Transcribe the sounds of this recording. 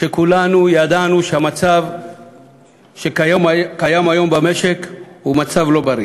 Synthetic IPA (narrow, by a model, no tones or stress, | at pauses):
ʃe̞kulanujad̪anuʃeamat͡sav | ʃekjomkajamajo̞mbameʃekhumat͡savlo̞baɾi